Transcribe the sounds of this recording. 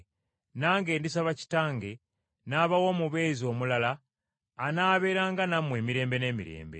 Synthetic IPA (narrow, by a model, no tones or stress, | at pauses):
naːŋɡe̞ːndisaβaci̥taːŋɡe̞ | naːβawo̞muβe̞ːzio̞ːmulalaː | naːβe̞ːɾaːŋɡanamwe̞ːmiɾe̞ːmbe̞ne̞ːmḭɾe̞̰ːmbḛ